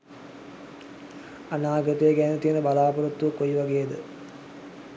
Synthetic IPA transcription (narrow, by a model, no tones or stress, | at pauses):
anaːɡɾət̪əjeɡænət̪ijənəbalaːpuɾət̪ːuʋɐkːoiʋaɡejːd̪ə